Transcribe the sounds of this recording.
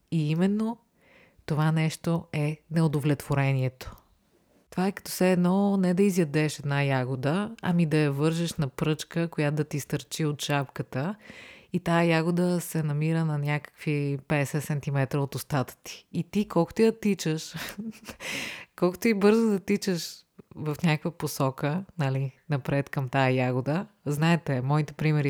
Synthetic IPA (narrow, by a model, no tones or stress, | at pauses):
iimɛnːo | t̪ovanɛʃt̪oɛnɛod̪ovlɛt̪voɾɛniɛt̪o̥ | t̪ovaɛkɐ̥t̪ɔfsɛɛd̪nɔnɛd̪ɐizjɐd̪ɛʃɛd̪najaɡod̪əɐ̰mid̪ɐjɐvɤɾʒɛʃnɐpɾɤt͡ʃkəkojat̪d̪ɐt̪ist̪ɐɾt͡ʃiot̪ʃapkət̪əit̪aəjaɡod̪əsɛnɐmiɾənɐnʲakə̥kvipɛd̪ɛsɛt̪sɛnt̪imɛt̪ɾəot̪ʊst̪at̪ə̥t̪i̥ːt̪ikɔlˠko̥t̪ojɐt̪it͡ʃəʃ | kɔlˠko̥t̪oibɤɾzod̪ɐt̪it͡ʃəʃvɐfnʲakəkvəposɔkənɐlinɐpɾɛt̪kɐmt̪ajɐjaɡʊd̪ə | znaɛt̪ɛmɔit̪ɛpɾimɛɾi